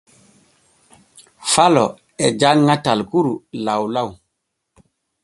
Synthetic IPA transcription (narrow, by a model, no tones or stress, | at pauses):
falɔ | ɛd͡ʒanŋatalkuɾulawlaw